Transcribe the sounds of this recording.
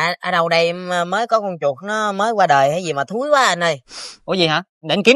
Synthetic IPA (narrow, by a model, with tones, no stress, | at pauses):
a˧ʔaː˧ɗə˨˩wɗə˧jməː˨˦jkɔ˨˦kɔ˧wŋ͡mt͡ɕu˨˩t̚nɔ˨˦məː˨˦jkwaː˧ɗəː˨˩jhaː˨˦zi˨˩maː˨˩t̪ʰu˨˦jkwaː˨˦ʔa˧nʔə˧jʔṵ˧˦zi˨˩ɦaː˨˧˦ | ɗe˨˦nki˨˦